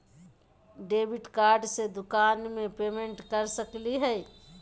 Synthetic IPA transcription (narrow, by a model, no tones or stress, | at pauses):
ɖeːbiʈkaːɾɖsed̪ʊkaːnmẽpemeɳʈkəɾsəkliɦɛ